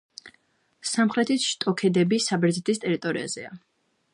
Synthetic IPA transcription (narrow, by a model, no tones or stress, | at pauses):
samχɾɛt̪ʰisʃt̪ʼɔkʰɛd̪ɛbisabɛɾzit̪ʰist̪ʼɛɾit̪ʼɔɾia̰z̥ɛ̰a